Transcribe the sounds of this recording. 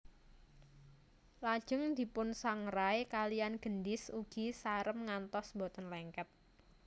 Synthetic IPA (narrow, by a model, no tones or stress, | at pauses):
lad̥ʒ̥ʊŋd̪̥i̤pʊnsaŋɾajkalianɡ̥əndɪsuɡ̥isaɾəmŋant̪ɔsmbot̪ənlɛŋkɛt̪̚